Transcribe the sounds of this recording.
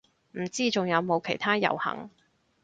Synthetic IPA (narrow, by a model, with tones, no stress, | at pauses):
m̩˨˩t͡siː˥t͡sʊ˨ŋjɐ˨˧wmo˨˧wkʰe˨˩jt̪ʰaː˥jɐ̰˨˩whɐ̰˨˩ŋ